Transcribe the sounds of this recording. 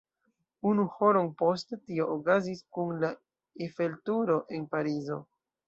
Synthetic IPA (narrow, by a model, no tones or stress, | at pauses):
unuho̞ɾonpo̞stetio̞ʔokaziskunla | efe̞ltuɾo̞ʔe̞npaɾizo̰